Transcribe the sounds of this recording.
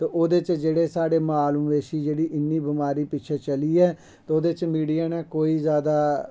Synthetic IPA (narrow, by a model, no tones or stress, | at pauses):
t̪eʔoːd̪et͡ʃd͡ʒeːɽeːsaːɽeːmaːlumʋeːʃiːd͡ʒeːɽiːʔɪnːiːbɪmaːɾiːpɪtːt͡ʃʰɛːt͡ʃəliːɛː | t̪ːoːd̪eːt͡ʃmiːɖijaːnɛːkoːiːzjaːd̪aː